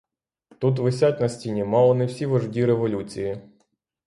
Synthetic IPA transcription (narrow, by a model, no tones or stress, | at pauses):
t̪ut̪̬ʋɪsʲatʲnɐsʲtʲinʲimɑlˠɔnɪwsʲiʋɐʐdʲiɾeʋɔlʲut͡sʲiji